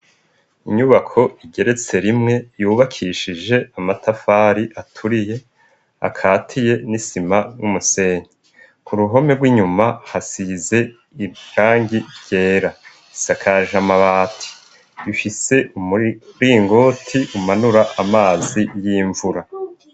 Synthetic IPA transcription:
iɲuβakʰo̞iɟe̞ɾe̞t͡se̞ɾimŋe̞juːβakʰiʃiʒe̞amatʰafaːɾiʔatʰuɾije̞ | a̰kʰaːtʰije̞nisimaumuse̞ːɲi | kuɾuɦo̞me̞ɾɡwiːɲumahasize̞ | iɡaːŋɟiɾɟ̥e̞ːɾa | isakʰaʒamaβaːtʰi̥ | βifise̞ʔuɾiːŋɡo̞ːtʰiʔumanuɾaʔamaːzijiːɱvuɾa

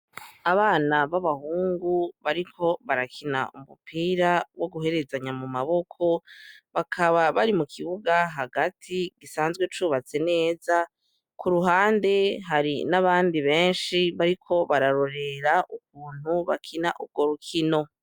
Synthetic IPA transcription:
aβaːnaβaβahuːŋɡuβaɾikʰo̞βaɾakʰina̰umupʰiːɾawo̞ɡuɦe̞ɾe̞zaɲamumaβo̞kʰo̞βakʰaβaβaɾimukʰiβuɡaɦaɡatʰiɡisaːnzɡwet͡ʃuːβat͡se̞ne̞ːza | kuɾuɦaːnde̞ɦaɾḭnaβaːndiβe̞ːnʃiβaɾikʰo̞βaɾaɾo̞ɾe̞ɾaʔuk̚uːn̥huβa̰kʰinaʔub̚ɡo̞ɾukʰino̞

